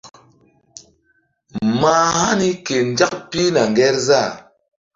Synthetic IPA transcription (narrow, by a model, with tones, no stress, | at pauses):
maː˦ha˦ni˦ke˨n˨˦d͡ʒa˦k̚pi˦na˨ŋ˨ɡɛ˦ɾza˦˨